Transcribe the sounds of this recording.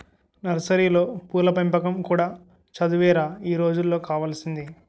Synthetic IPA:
nɐɾɐsɐɾiːlo̞ːpuːlɐpɐmpɐkɐmkuːɽaː | t͡ʃɐd̪uʋɛːɾaːiːɾo̞ːd͡ʒulːo̞ːkaːʋaːlɐsind̪i

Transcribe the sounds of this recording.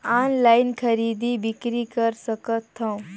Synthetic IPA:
anlainkʰəɾid̪ibikɾikəɾsəkət̪ʰːə̃w

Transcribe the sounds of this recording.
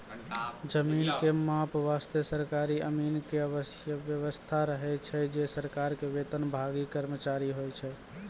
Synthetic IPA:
d͡ʒəminkemapʋast̪əsəɾkaɾiə̰minkeəβəsjəbjəʋəst̪ʰaɾəɦɛt͡ʃʰɛd͡ʒesəɾkaɾkeʋet̪ənbʱaɡikəɾmət͡ʃaɾiɦojt͡ʃʰɛ

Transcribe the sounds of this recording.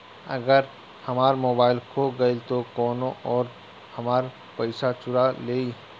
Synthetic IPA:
ɐ̰ɡəɾ | hɐmaːɾmoːbaːɪlkʰoɡɐit̪okɔːnõʔɔːɾ | hɐmaːɾ | pəɪsat͡ʃʊɾaleːi

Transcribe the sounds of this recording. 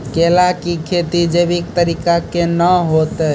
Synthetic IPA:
kelakikʰet̪id͡ʒebikt̪əɾikakenəɦot̪ə

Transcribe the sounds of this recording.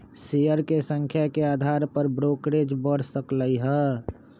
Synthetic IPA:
sijəɾkesə̃ŋkʰjakead̪ʱaɾpəɾbɾokɾed͡ʒbəɽ̤səkləiɦɛ

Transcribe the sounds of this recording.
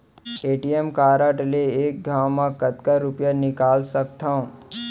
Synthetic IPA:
eːʈijemkaːɾəʈleeːk̚ɡʱaːwmãkɐt̪kaɾʊpjanɪkaːlsɐk̚t̪ʰãõ

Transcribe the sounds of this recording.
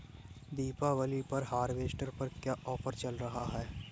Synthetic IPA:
d̪iːpaʋɐlipɐɾɦaːɾʋeːsʈəɾpɐɾkjaːʔɔːfʰəɾt͡ʃɐlɾɐɦaɦɛː

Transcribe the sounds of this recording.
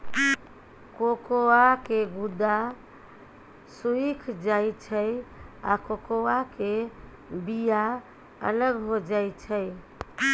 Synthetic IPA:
kokoakeɡud̪a | suikʰd͡ʒajt͡ʃʰəja̰kokowake | bija | ə̰ləɡɦod͡ʒajt͡ʃʰəj

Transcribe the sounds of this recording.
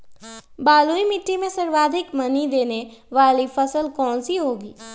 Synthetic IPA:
baːluimɪʈːimẽsɐɾʋaːd̪ʱɪkmɐnid̪eːneʋaːlifɐsəlkɔːnsiɦoːɡiː

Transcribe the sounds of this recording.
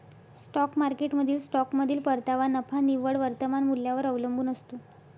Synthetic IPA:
sʈɔkmaɾkeʈməd̪ʱiːlsʈɔkməd̪ʱiːlpəɾt̪aʋanəfaniʋəɽʋəɾt̪əmanmuljaʋəɾəʋləmbuːnəst̪o

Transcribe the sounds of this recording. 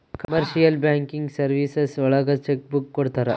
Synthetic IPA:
kɐmɐɾʃijɐlbjaːŋkiŋɡsɐɾʋiːsesɔɭɐɡɐt͡ʃekbukːɔɽt̪aːɾe

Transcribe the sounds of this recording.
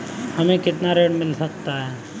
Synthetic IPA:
hɐmẽkɪt̪naɾeːɽmɪlsɐkt̪aɦɛː

